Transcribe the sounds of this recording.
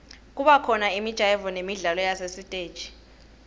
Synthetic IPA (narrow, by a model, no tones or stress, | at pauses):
k̬ʼuɓakʰɔnaimid̥ʒ̥ʱajɛvɔnemiɮalɔjasesitʼeːd̥ʒ̥ʱi̥